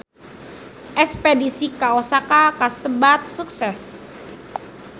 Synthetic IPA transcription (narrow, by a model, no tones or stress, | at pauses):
ʔɛkspedisikaosakakasəbat̪̚suksɛs